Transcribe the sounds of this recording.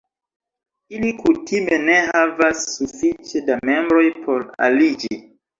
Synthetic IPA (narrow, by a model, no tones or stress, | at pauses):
ilikutime̞ne̞havasːufit͡ʃedamembɾo̞jpʰo̞ɾa̰lid͡ʒi